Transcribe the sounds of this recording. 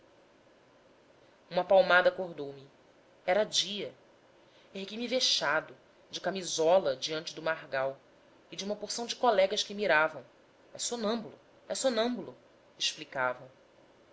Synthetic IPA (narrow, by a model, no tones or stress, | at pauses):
ũmɐpawmad̪ɐkoɦd̪owmi | ɛɾɐd͡ʒiɐ | eɦɡijmiveʃad̪ʊ | d͡ʒɪkamizɔlɐd͡ʒiɐ̃nt͡ʃɪd̪ʊmaɦɡaw | id͡ʒiũmɐpoχsɐ̃w̃d͡ʒɪkɔlɛɡɐʃkɪmiɾavɐ̃w̃ | ɛsonɐ̃mbulu | ɛsonɐ̃mbulu | eʃplikavɐ̃w̃